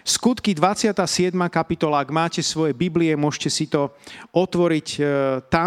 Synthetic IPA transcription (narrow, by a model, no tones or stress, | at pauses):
skut̪kid̪ʋat͡sɪat̪aːsɪɛd̪makapit̪ɔlaːɡmaːcɛsʋɔjɛbibliɛmʊɔʃcɛsit̪ɔɔt̪ʋɔɾict̪a